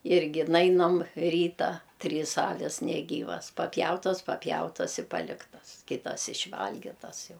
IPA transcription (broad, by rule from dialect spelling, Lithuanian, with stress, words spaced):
ˈɪrʲɡʲɪ ˈnɐɪnɐm ˈrʲiːtɐ ˈtʲrʲiːs ˈɑːʋʲɪs nʲɛˈɡʲiːʋɐs pɐpʲˈjɛʊtɐs pɐpʲˈjɛʊtɐs ɪ ˈpɑːlʲɪktɐs ˈkʲɪtɐs ɪʃʲˈʋɐlʲɡʲɪtɐs ˈjɛʊ